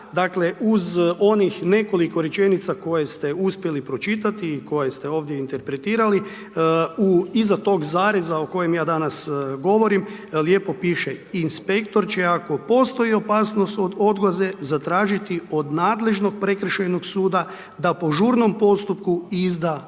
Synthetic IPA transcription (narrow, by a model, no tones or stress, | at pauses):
d̪akle̞ʔuzo̞nixne̞ko̞liko̞ɾjet͡ʃe̞nit̪sako̞jest̪e̞uspje̞lipɾo̞t͡ʃit̪at̪iːko̞jest̪e̞o̞ːʋd̪jeint̪e̞ɾpɾe̞t̪iːɾali | uizat̪o̞ːɡzaːɾezaoko̞je̞mjaːd̪anasɡo̞ʋo̞ɾim | lje̞ːpo̞piːʃe̞inspe̞kt̪o̞ɾt͡ʃeako̞po̞st̪o̞io̞paːsnost̪o̞d̪o̞d̪ɡlaze̞zat̪ɾaːʒit̪io̞d̪naːd̪le̞ʒno̞ɡ̚pɾekɾ̩ʃejno̞ɡsuːd̪a | d̪apo̞ʒuːɾno̞mpo̞st̪upkuizd̪a